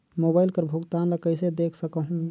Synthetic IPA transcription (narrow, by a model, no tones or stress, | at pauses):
mobaɪlkəɾbʱuɡt̪anləkəɪsed̪ekʰsəkəɦ